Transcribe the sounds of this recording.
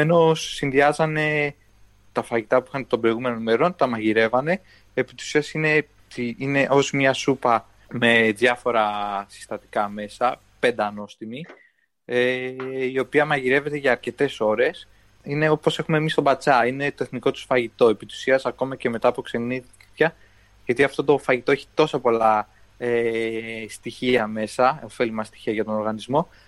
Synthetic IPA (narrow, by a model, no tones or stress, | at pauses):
eno̞sːinðiɐzɐne̞ | t̪ɐfɐʝit̪ɐpuixɐnt̪o̞mbɾo̞iɣume̞nonime̞ɾo̞nt̪ɐmɐʝiɾe̞vɐne̞ | epit̪i̥usiɐsine̞ | t̪iine̞ʔo̞zmɲɐsupɐ | me̞ðjɐfo̞ɾɐsi̥st̪ɐt̪i̥kɐme̞sɐ | pe̞nd̪ɐno̞st̪imi | eio̞piɐmɐʝiɾe̞ve̞t̪e̞ʝɐːɾce̞t̪e̞so̞ɾe̞s | ine̞o̞po̞se̞xumemist̪o̞bɐt͡sɐine̞t̪o̞eθniko̞t̪u̥sfɐʝit̪o̞epit̪u̥siɐsɐko̞mɐce̞me̞t̪ɐːpokse̞ni | çɐ | ʝɐt̪iɐft̪o̞t̪o̞fɐʝit̪oeçi̥t̪o̞sɐpo̞lɐ | e | st̪içiɐme̞sɐofe̞limɐst̪i̥çiɐʝɐt̪o̞no̞ɾɣɐnizmo̞